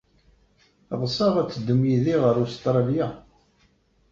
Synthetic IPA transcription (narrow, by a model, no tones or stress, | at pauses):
ðˤsˤɑʁæt͡sːəd̪ːumjiðiʁəɾust̪ɾˤɑlja